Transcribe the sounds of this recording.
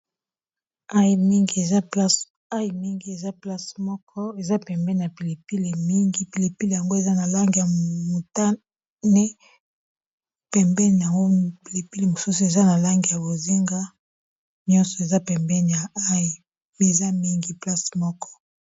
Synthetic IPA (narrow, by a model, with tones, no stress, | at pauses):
a˦ji˨mi˦ŋɡi˨˦e˨za˦pa˦s | a˦ji˨mi˦ŋɡi˨˦e˨za˦pla˦smɔ˦kʰɔ˦e˨za˦pɛ˨mbɛ˦n˨a˨pi˨le˨pi˦le˨mi˦ŋɡi˦pi˨le˨pi˦le˨ja˨ŋɡo˦e˨za˦na˨la˦ŋɡi˨ja˨mo˨ta˦ | nɛ˦ | pɛ˨mbɛ˦ni˨ja˨ŋɡo˦pi˨le˨pi˦le˨mo˨su˦su˨e˨za˦na˨la˦ŋɡi˨ja˨bo˨zi˦ŋɡa˦ | njɔ˦nsɔ˨e˨za˦pɛ˨mbɛ˦ni˨ja˨a˦ji˨ | me˨za˦mi˦ŋɡi˦pla˦smɔ˦kɔ̥˦